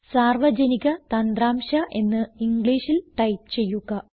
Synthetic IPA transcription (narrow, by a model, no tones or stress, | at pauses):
saːrʋɐd͡ʑɐniɣʲɐt̪ɐnd̪raːmʂɐʔe̞nːɨiŋɡɭiːʂilʈɐjʈ̚ɨt͡ɕe̞jːuɣɐ